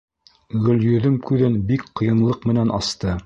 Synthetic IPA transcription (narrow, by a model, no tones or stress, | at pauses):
ɡɵ̆ljɵ̆ðɵmkʉðɘnbikqɤ̆jɤ̆nlˠɤqmɘ̆nænʔɑst̪ɤ